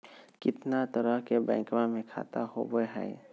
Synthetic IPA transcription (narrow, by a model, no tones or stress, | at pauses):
kɪt̪nat̪əɾəɦkebɛ̰̃ːkmamẽkʰa̰ːt̪aho̰bəeɦɛ̰ː